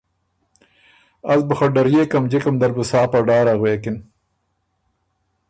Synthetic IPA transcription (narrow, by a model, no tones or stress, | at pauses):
ɐzbuxɐɖɐɾjeːkɐmd͡ʑikɐmd̪ɐɾbusaːpɐɖaːɾaɣweːkɪn